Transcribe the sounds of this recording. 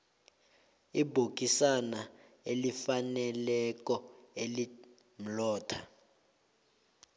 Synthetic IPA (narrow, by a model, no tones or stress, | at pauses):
ibʱok̬ʼisana | elifanɛlɛk̬ʼɔeli | m̩lɔːtʰa